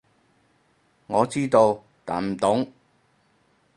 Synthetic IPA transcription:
ŋɔː˨˧t͡siː˥t̪o˧w | t̪a̰ː˨˥m̩˨t̪ʊ˨˥ŋ

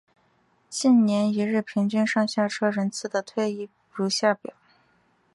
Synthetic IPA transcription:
t͡ɕi˥˩nnjɛ˧˥ni˧˥ɻɻ̩˥˩pʰi˧˥ŋt͡ɕy˥˧nʂɑ˥˧ŋɕja˥˩ʈ͡ʂʰɤ˥ɻə˧˥nt͡sʰɹ̩˧˥d̪ə˨t̪ʰwe˥˧ɪi˥˩ | ɻu˧˥ɕja˥˩pjɑ̰˨˩˦ʊ

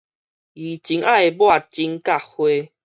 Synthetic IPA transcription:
i˨t͡ɕi˨˦ŋʔa˦˨e˨bwa˥˧˨t͡ɕi˦ŋka˥˦˨hwe˦

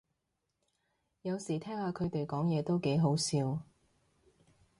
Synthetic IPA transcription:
jɐ˨˧wsiː˨˩t̪ʰɛː˥ŋhaː˧kʰɵ˨˧ɥt̪e˨jkɔː˨˥ŋjɛː˨˧t̪o˥wke˨˥jɦo˨˥wsiː˧w

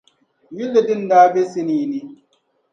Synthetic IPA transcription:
ji˦lːe˨di˦n˦daː˦be˦si˦niː˨ni˦

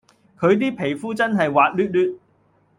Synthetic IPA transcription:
kʰɵ˨˧ɥt̪̬iː˥pʰe˨˩jfuː˥t͡sɐ˥nɦɐ˨jwaː˨˧t̚lyː˥t̚lyː˥t̚

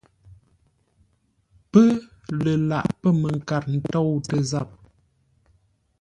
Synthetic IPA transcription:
pə˦lə˨la̰˨ʔpə˦mə˨ŋ̩˨ka˨ɾn̩˨tɔ˦˨wtə˨za˦˨p̚

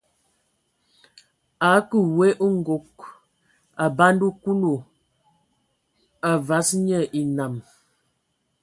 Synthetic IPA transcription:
a˨˦kə˨we˦ʔu˦ŋ̩˦ɡo˨k̚ | a˨ba˦ndu˦ku˦lo˨ | a˨va˨˦sɲə˦˨ʔi˨na˨m

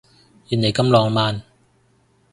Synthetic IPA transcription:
jiː˨˩ne˨˩jkɐ˥mlɔː˧ŋmaː˨˧n

